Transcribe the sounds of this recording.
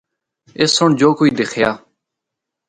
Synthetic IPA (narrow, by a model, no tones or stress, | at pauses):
ɪsːʊɳd͡ʒoːkoiːd̪ekʰjaː